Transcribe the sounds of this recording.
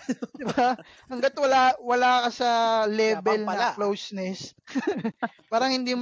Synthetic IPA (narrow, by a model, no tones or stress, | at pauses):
d̪ɪba | hɐŋɡɐt̪wɐlawɐlaːkɐsɐlɛːbɛlnɐlowsnɛs | paːɾɐŋhɪnd̪iːm